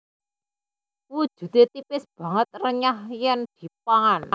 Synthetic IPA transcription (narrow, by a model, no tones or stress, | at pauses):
wud̥ʒ̥ṳt̪et̪ipɪsb̥ä̤ŋət̪̚rəɲahjɛnd̪̥i̤paŋan